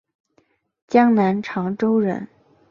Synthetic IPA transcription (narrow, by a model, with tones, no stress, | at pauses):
t͡ɕjɑ˥ŋna˧˥nʈ͡ʂʰɑ˧˥ŋʈ͡ʂo˥ʊɻə̰˧˥n